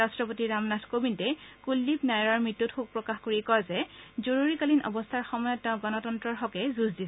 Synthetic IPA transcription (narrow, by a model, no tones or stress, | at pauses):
ɹastɹɔpotiɹamnatʰkobintɛkulːipnajɹaɹmɹitːutxuk̚pɹɔkaxkoɹikɔzɛzoɹuɹikalinɔ̰bɔstʰaɹxɔmɔjɔtːɛʊ̃ɡɔnɔtɔntɹɔɹxɔkɛzuzdis